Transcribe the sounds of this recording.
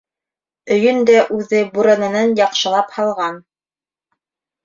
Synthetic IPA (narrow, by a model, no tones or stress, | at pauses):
ɵ̆jɵnd̪æʔʉðɘbuɾɤ̆nɤ̆nɑnjɑqʃɤ̆lˠɑphɑlˠʁɑn